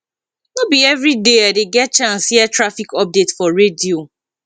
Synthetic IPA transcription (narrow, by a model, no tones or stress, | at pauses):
nobiɛvɹideaɪdeɡɛt̚t͡ʃãnsiɛtɹafikɔp̚detfɔɹedio